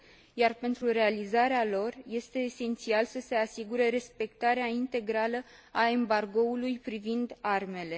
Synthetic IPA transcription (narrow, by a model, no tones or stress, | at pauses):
jarpe̞nt̪ɾuɾe̞alizaɾealo̞rje̞st̪e̞ːse̞nt̪sialsəse̞asiɡuɾeɾe̞spe̞kt̪aɾeaint̪e̞ɡɾalə | ae̞mbarɡo̞ulujpɾivind̪arme̞le̞